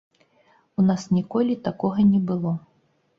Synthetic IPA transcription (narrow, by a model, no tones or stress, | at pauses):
unasnʲikɔlʲit̪akɔɣɐnʲɛbɨlˠɔ